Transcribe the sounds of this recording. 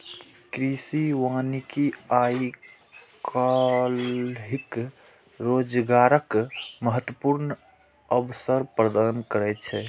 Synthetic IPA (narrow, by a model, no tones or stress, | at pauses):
kɾisiʋanikiai | kalɦik | ɾod͡ʒɡaɾəkməɦət̪wəpuɾn | əbsəɾpɾəd̪ankəɾɛt͡ʃʰɛ